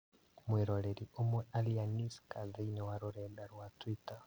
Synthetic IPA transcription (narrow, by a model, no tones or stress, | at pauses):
mwiɾoleɾiomwealianiskaziinewaɾuɾeːdaɾwatwita